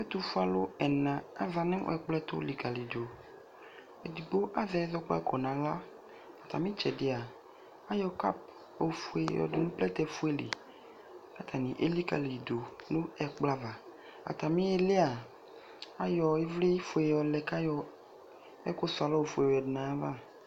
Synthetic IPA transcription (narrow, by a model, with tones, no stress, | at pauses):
e˦t̪u˦fu˦a˨lo˦ɛ˨nã˨a˦va˨nẽ˦o̰˦ɛ˦˨k͡plɛ˦t̪o̰˦li˨ka˨li˨do˨ | e˨d̪i˨ɡ͡bo˦ʔa˦ðɛ˨˦ɛ˦ðɔ˦k͡pɔ̰˦ɛ˦kɔ˨nã˨la˦ | a˨t̪a̰˨mĩ˦t͡ʃɛ˨de˨a˨ | a˦jɔ˨ka̰˦p̚ | o˨fu˨˦ḛ˨jɔ̰˨de˨nũ˦k͡plɛ˦t̪ɛ˨fu˦e˦lḭ˨ | a˦t̪ʰa˨nĩ˨ʔḛ˦li˦ka˨li˨do˨nũ˦ɛ˨k͡pla˦va˨ | a̰˨t̪a˨mĩ˦e˦le˦a˨ | a˦jɔ˨e˦vle˦i˦fu˨e˨jɔ˨lɛ˨ka˦jɔ˨ | ɛ̰˦ko˦su˨a˨lɔ˦wo˨fu˨e˨wɛ˨dnã˨˦va˦